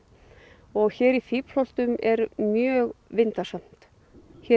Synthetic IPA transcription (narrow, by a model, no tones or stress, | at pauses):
ɔɣçɛːɾiθiːpl̥ɔl̥t̪ʏmʔɛɾmjœːɣvɪnt̪asam̥t̪ | çɛ